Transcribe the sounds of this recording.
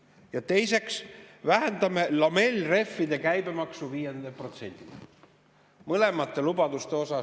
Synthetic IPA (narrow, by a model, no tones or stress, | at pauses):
jɑt̪e̞jse̞ksvæɦend̪̥ɑme̞lɑme̞lʲre̞fːid̪̥e̞kæjbe̞mɑksuviːje̞nd̪epro̞t̪se̞nʲd̪̥i | mɤle̞mɑt̪ːˑe̞lubɑd̪̥ust̪e̞o̞sɑ